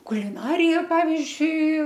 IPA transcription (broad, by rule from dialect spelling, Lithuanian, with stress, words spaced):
kʊlʲɪˈnɑːrʲɪjɛ ˈpɑːʋʲɪzʲd͡ʒʲʊɪ